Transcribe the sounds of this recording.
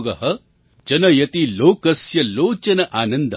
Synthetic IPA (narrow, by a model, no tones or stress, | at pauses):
ɡɐɦɐ | d͡ʒɐnɐjɐt̪iloːkɐsjɐloːt͡ʃɐnɐʔaːnɐnd̪ɐ